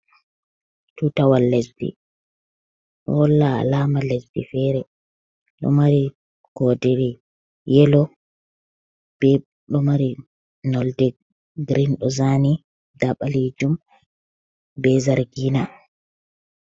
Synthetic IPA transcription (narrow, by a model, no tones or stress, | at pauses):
tutawalːɛsdḭ | ɗɔ̰wɔlːa̰laːmalesdifɛɾɛ | ɗɔ̰maɾi | ɡ̥ɔdiɾi | jɛlɔ | b̥ɛ | ɗɔmaɾi | nɔldɛ | ɡɾinɗɔzani | daɓaled͡ʒum | bɛzaɾɡiːna